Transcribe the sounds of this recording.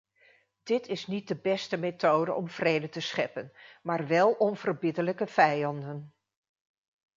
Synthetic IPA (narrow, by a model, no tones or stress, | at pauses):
d̥ɪtɪsnit̚dəbɛstəmetowdə̰ʔɔmv̥rejdəntəsχɛpənmaːɹʋɛlˠɔnv̥ərbɪdələkəv̥ɛjɑndən